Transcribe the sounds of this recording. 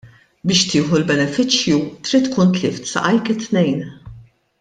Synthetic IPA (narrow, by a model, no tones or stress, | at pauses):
bɪːʃt̪ɪːħulbɛnɛfɪt͡ʃjut̪ɾiːt̪ːkuːnt̪lɪːft̪sɐ̰ʔɐjkɪt̪nɛjn